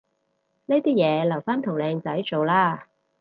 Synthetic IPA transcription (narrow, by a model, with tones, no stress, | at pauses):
neː˥t̪iː˥jɛː˨˧lɐ˨˩wfaː˥nt̪ʰʊ˨˩wlɛː˧ŋt͡sɐ˨˥jt͡so˨wlaː˥